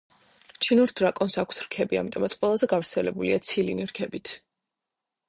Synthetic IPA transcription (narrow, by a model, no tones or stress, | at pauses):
t͡ʃʰinuɾd̪ɾakʼɔnsakʰsɾkʰɛbia̰mit̪ʼɔmat̪sʼqʼwɛlˠazɛɡavɾt̪sʰɛlɛbuliat̪sʰilḭniɾkʰɛbit̪ʰ